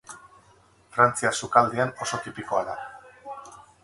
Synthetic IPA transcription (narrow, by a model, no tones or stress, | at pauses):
fɾant͡siasukald̪eano̞so̞t̪ipiko̞aða